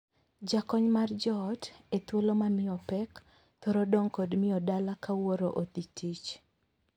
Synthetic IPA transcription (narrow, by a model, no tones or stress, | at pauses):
d͡ʒakɔɲmard͡ʒɔtet̪wolomanɪɔpɛk | t̪ɔɾɔdɔŋkɔdmɪɔdalakawoɾoʔot̪itʰit͡ʃ